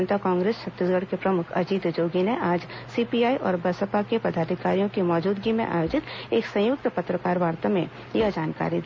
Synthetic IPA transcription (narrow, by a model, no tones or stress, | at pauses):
nt̪akãːŋɡɾeːst͡ʃʰɐt̪ːɪsɡəɽkepɾɐmʊkʰɐ̰d͡ʒiːd̪d͡ʒoːɡineʔaːd͡ʒsiːpiaːiʔɔːɾbɐsəpakepɐd̪ʱaːd̪ʱɪkaːɾijõkimɔːd͡ʒuːd̪ɡimḛ̃ʔa̰ːjoːd͡ʒɪt̪eːksɐ̃jʊk̚t̪pɐt̪ɾəkaːɾʋaːɾt̪amẽ | jɐd͡ʒaːnka̰ːɾid̪i